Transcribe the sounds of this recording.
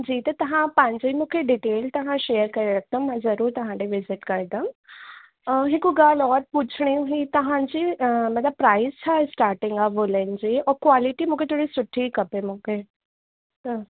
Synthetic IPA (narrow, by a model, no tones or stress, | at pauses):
d͡ʑiːt̪ɐt̪ɐɦãpãːɲd͡ʑeimũːkʰeɖiʈeːlt̪ɐɦãʃejəɾkɐɾeɾɐk̚ʰt̪ə̃mmãzɐɾuːɾt̪ɐɦãɖ̪eʋɪzɪʈkɐɾd̪əm | ɦɪkuɡaːlɔːɾput͡ɕʰɽ̃iũɦit̪ɐɦãd͡ʑimɐt̪ləb̚pɾaːɪzt͡ɕʰasʈaːɾʈɪ̃ŋɡaʋɦoːlə̃nd͡ʑiːɔːɾkʋaːliʈimũːkʰet̪ʰoːɽisʊʈʰːikɐpemũkʰe | t̪ə